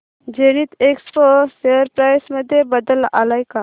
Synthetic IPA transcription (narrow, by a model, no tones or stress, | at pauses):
d͡ʒeɽ̃iːt̪eksposeəɾpɾajsməd̪ʱːjebəd̪əla̰lajka